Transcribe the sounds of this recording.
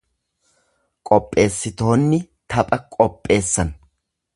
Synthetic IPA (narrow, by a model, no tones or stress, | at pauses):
kʼɔpʼːe̞ːsːɪt̪o̞ːnːɪ | t̪ɐpʼɐkʼɔpʼːe̞ːsːɐn